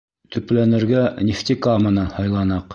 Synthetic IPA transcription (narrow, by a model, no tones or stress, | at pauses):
t̪ʰɵ̆plænɘ̆ɾɡænʲift̪ʲikamɤnɑhɑjlˠɑnɑq